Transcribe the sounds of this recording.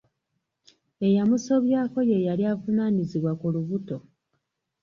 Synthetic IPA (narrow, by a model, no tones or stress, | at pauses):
e̞jamuso̞βjaːko̞je̞jaliavunaniziβwakuluβuto̞